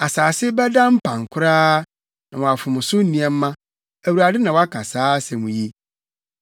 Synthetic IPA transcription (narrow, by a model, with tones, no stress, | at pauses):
a˨saː˨sɪ˦bɛ˦dã˦m̩˦pʰã˨ŋ˨kʷʰʊ˦ɾaː˦ | nã˨wɔ̃˨a˨fʊ˨mʊ̃˨sʊ˦n̩˦nĩ˨ɛ˨m̩ː˦ã˦ | æ˨wu˨ɾa˨dɪ˦nã˨wa˦kʰa˨saː˦sɛ˨mũ˨je˦